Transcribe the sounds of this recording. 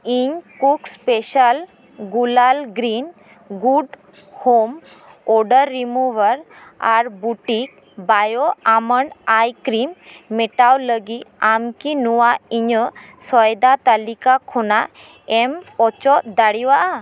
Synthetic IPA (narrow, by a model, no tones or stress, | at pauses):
iɲkukspɛʃal | ɡulalɡɾin | ɡuɖ | hom | ɔɖəɾːimuwəɾ | aɾbuʈik̚ | bajɔaməɳɖajkɾimːɛʈawləɡit̪̚amkinuwaiɲəsɔjd̪at̪alikakʰɔnaʔ | ɛmɔt͡ʃɔʔd̪aɽiwaʔa